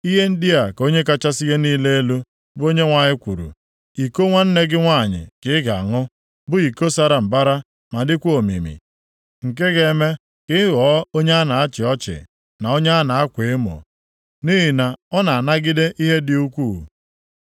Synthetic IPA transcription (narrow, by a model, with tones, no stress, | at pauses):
i˦ɦe˦n̩˦dɪ˦a˨ko˦ɲe˦k̬a˦t͡ʃa˦si˦ɣe˦niː˦le˦e˦lu˦ | bʊ˦o˦ɲe˦ŋʷa˨ɲɪ˦kʷu˨ɾṵ˨ | i˨ko˦ŋʷa˦n̩˦ne˦ɡɪ˦ŋʷa˦˨ɲɪ̰˨kɪ˦ɡa˨a˨ŋʊ˦ | bʊ˦i˨ko˦sa˦ɾa˦m̩˨ba˦ɾa˦ | ma˨dɪ˦kʷo˨mḭ˨mḭ˨ | ŋ̩˨k̬e˦ɣe˨˦me˦ | kɪ˦ɣɔ˨˦o˦ɲe˦a˦na˨a˦t͡ʃɪ˨ɔ˦t͡ʃɪ̰˨ | na˨o˦ɲe˦a˦na˨a˦kʷe˨˦mo̰˨ | niː˦ɦi˨na˨ɔ˦na˨a˨na˦ɡɪ˦de˦ʔi˦ɦe˦dɪ˦u˦kʷu˦˨